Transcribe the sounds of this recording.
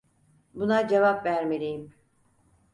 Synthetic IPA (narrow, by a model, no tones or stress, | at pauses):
bunad͡ʒevapvæɾmelʲijim